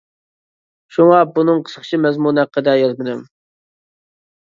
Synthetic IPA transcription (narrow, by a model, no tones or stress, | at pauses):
ʃuŋɑbunɨŋqʰə̥səχt͡ʃʰimɛzmunæqːəd̪ɛjɑzmɨd̪ɪm